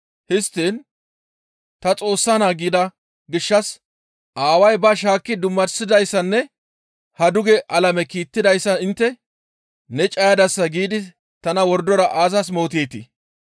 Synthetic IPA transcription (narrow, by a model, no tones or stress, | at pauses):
hɪst̪ːiːn | t̪ɐt͡sʼo̞ːsːanaːɡiːd̪ɐ | ɡɪʃːɐs | ʔaːwɐjbɐʃ̬aːkːɪd̪ʊmːɐɾsɪd̪ɐjsːɐnːɛ | hɐd̪ʊɡɛʔɐlɐmɛkiːt̪ːɪd̪ɐjsːɐɪnt̪ːɛ | nɛt͡ʃʼɐjɐd̪ɐsːɐɡiːd̪ɪ | t̪ɐnɐwɔɾd̪ɔɾɐʔaːzɐs̬mo̞ːt̪eːt̪ḭ